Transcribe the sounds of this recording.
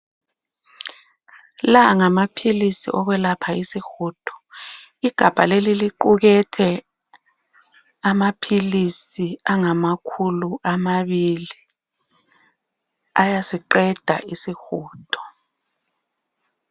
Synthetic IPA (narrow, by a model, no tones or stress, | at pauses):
laŋamapʰilisḭʔɔɣɛlapʰaisixuːtʰɔ̥ | iɡ̥ʱab̥ʱa̰leliliǃuɣɛtʰɛ | amapʰilisiaŋamakʰuluʔamaβili | ajasiǃɛd̥ʱa̰ʔisixuːtʰɔ̥